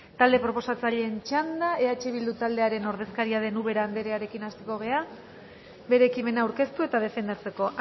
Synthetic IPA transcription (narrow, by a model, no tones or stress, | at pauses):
t̪ald̪e̞pɾo̞po̞sat͡saʎeːnt͡ʃand̪ae̞at͡ʃe̞β̞ild̪ut̪ald̪e̞aɾe̞no̞ɾð̞e̞skaɾiaðe̞nuβe̞ɾaːnd̪eɾeaɾe̞kinast̪eko̞ɣ̞e̞a | βe̞ɾe̞ːkime̞naːwɾke̞st̪ue̞t̪að̞e̞fe̞nd̪at͡se̞ko̞ʔ